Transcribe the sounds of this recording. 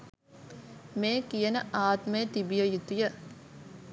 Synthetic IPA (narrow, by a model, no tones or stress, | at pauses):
meːkijənəʔaːt̪mejt̪ibijəjut̪ujə